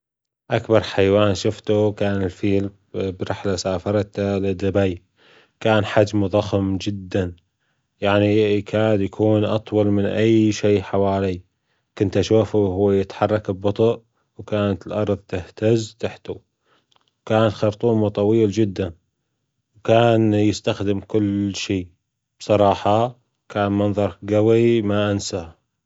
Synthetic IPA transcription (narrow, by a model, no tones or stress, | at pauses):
ʔakbɑɾˤħajwaːnʃʊft̪ukaːnɪlfiːl | bɾɪħlasaːfɑɾˤt̪lɪd̪ːabaj | kaːnħad͡ʒmðˤɑxmd͡ʒɪd̪ːan | jaʕnikʰaːd̪jakʰuːnʔɑt̪ˤwɑlmɪnʔajʃiːħawaːli | kʊnt̪aʃuːfhuːajɪt̪ħɑrˤːɑkɪbbɑt̪ˤʊʔ | wkaːnat̪ɪlʔɑɾˤðˤt̪ɪht̪azt̪aħt̪a | wkaːnat̪xɑɾt̪ˤuːmut̪ˤɑwiːld͡ʒɪd̪ːan | wkaːnjɪst̪axd̪ɪmkʊlːʃiː | b̥sˤɑɾˤɑːħɑ | kaːnmɑnðˤɑɾˤɡawimaʔansa